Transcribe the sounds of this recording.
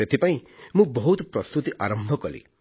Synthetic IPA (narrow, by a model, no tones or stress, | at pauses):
et̪ʰipaĩmũbɔɦut̪pɾɔst̪ut̪iʔaɾɔmbʱɔkɔlḭ